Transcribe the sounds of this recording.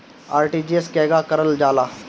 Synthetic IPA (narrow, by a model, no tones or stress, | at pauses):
aːɾʈiːd͡ʒieskɛːɡakəɾəld͡ʒaːlaː